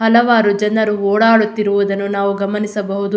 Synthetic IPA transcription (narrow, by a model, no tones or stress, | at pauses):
hɐlɐʋaːɾud͡ʒɐnːɐɾuɔːɽaːɽut̪ːiɾuʋud̪ɐnːunaːʋuɡɐmɐnisɐbɐɦud̪u